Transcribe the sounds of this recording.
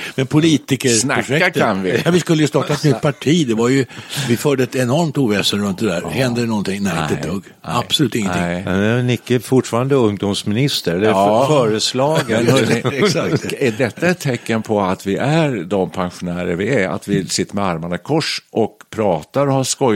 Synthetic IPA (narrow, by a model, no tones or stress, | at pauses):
mɛnpʰʊliːt̪ɪkəsnaʊʂɛakʰanvɪvɪskɵlːəjəst̪ɑːʈːaɛt̪nʏt̪pʰaʈʰiːd̪ɛvaɾjɵvɪfœːɖəɛt̪ɛnɔɾmt̪uːvɛːsənɾɵnt̪̚d̪ɛd̪æːɾhɛnd̪ənɔnt̪ʰɪŋnæɾɪt̪ət̪ːɔɡ | ab̥sʊlʉ̟ːt̪ɪŋːənɪɛnnɪkːəfʊʈfɑːɾand̪əɵŋd̪ʊmsmɪnɪst̪əɾɛlːəfœːɾəslɑːɡənsakt̪ɛdɛt̪ːaɛt̪ʰːɛkːənpʰɔat̪vɪʔæɾd̪ɔmpʰanɧʊnæːɾəɾvɪæa̰t̪vɪsɪt̪ːəɾmɛaɾmanəkʰɔʂʔɔk̚pʰɾɑːt̪aɾɔhaʂkɔj